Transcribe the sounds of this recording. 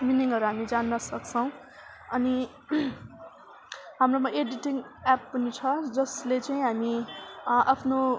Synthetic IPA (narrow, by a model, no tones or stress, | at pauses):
miniŋʌɾuɦamid͡zanːʌsʌkt͡sʰʌw̃ | ʌni | ɦamromʌʔeɖiʈiŋapːʌnit͡sʰʌd͡zʌslet͡saĩɦami | ʔapʰno